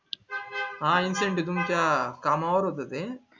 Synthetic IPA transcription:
ɦãːinseɳʈid̪umk̪jakaːmaʋɐɾot̪ɐt̪e

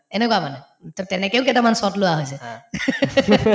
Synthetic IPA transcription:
enekɔamanɛ | t̪ɔtɛnɛkeoʊk̬ɛtamansɔtlowaɦojse

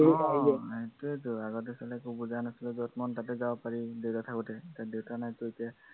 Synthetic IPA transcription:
etuetuaɡɔt̬ɛsalɛkubuzanasilɛzɔtmɔntat̬ɛzabɔpaɹidewtatʰakutɛetadewtanajtʊetia

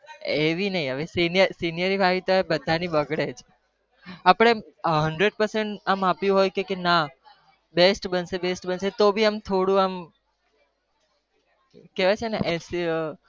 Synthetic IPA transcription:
eʋinəɦĩəʋesinijəɾsinijəɾibʱaʋit̪oebəd̪ʱanibəɡɽed͡ʒʰ | apɽ̃eɦəɳɖɾeɖ̚pəɾseɳʈamapjũɦojkekena | besʈbənsebesʈbənset̪obʱiamt̪ʰoɽũam | keʋat͡ʃʰeneʔs

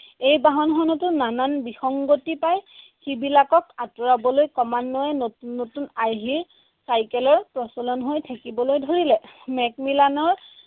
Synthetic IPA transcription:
ejbaɦɔnxɔnɔtʊnananbixɔŋɡotipaj | xibilakɔkatuɹabɔlojkɔmanːɔjɛnːotunaɹɦiɹ | sajkɛlɔɹpɹɔsɔlɔnɦojtʰakibɔlojdʱoɹilɛmɛk̚milanɔɹ

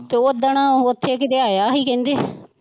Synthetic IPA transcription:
t̪eoːd̪aɳãːoət̪ʰːeːkɪt̪eːaːjaːɦiːkɛ̃ːnd̪eː

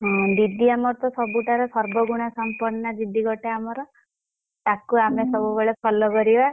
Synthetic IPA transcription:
ɦɔ̃d̪id̪iamɔɾt̪ɔsɔbuʈaɾesɔɾbɔɡuɽ̃asɔmpɔɾnad̪id̪iɡɔʈeamɔɾɔ | t̪akuamesɔbubeɭepʰɔlɔkɔɾiba

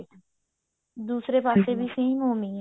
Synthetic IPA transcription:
d̪uːsɾeːpaːseːbiːsẽĩːmõːmĩː

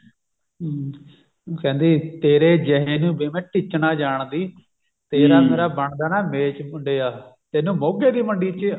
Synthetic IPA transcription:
kɛ̃ːnd̪iːt̪eːɾeːd͡ʒɛɦeːnũːbeːmɛ̃ːʈɪt͡ʃnaːd͡ʒaːɳd̪iː | t̪eːɾaːmeːɾaːbəɳd̪aːnaːmeːt͡ʃʊɳɖeːaːt̪eːnũːmoːɡeːd̪iːməɳɖiːt͡ʃ

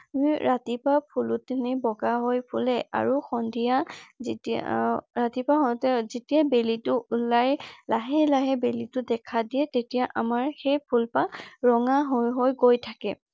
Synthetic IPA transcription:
miɹatipapʰulʊtːenibɔɡaɦojpʰulɛa̰ɹuxɔndʱijazetḭɹatipaɦɔtɛzetiabelitʊlajlaɦɛlaɦɛbelitʊdɛkʰadijɛtetijaʔamaɹxɛjpʰulpaɹɔŋaɦojɦojɡojtʰakɛ

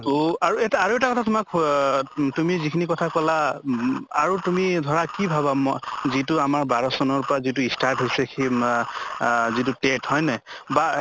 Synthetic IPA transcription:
oaɹuɛtaɹuɛtakɔtʰatʊmak | tumizikʰinikɔtʰakɔla | aɹutumidʱɔɹakibʱabamzitʊamaɹbaɹɔsɔnɔɹpɔɹazit̬uistaɹtɦojsɛkʰi | zitʊtethɔjnɛba

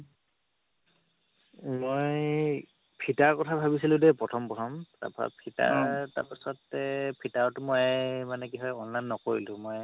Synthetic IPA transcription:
moj | pʰitaɹkɔtʰabʱabisilʊ̃dɛpɹɔtʰɔmpɹɔtʰɔmta̰pɔɹa̰pʰita̰ɹta̰ɹpasɔtːɛpʰitaɹɔtʊmɔjmanɛkiɦɔjɔnlajnːɔkoɹilʊ̃moj

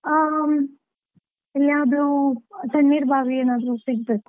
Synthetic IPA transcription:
ilːjaːʋd̪ɾusɐnmiːɾbʱaːɡeːnaːd̪ɾusiɡ̚beːku̥

